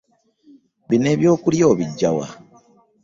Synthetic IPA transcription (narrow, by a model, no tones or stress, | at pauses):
βine̞βjo̞ːkuljo̞ːβiɟːawa̰